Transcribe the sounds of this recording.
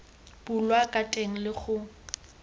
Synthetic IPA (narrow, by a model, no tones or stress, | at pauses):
b̥ʊlwakʼatʼeŋ̩lɪχʊ